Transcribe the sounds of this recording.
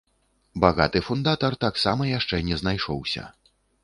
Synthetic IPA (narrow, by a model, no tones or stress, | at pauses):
baɣat̪ɨfund̪at̪ɐrt̪aksamɐjaʂt͡ʂɛnʲɛznajʂɔwsʲɐ̰